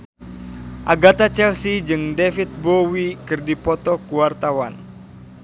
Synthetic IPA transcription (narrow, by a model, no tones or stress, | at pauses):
ʔaɡat̪at͡ʃɛlsid͡ʒɨŋdefit̪̚bowikɨrdipɔt̪ɔkuwart̪awan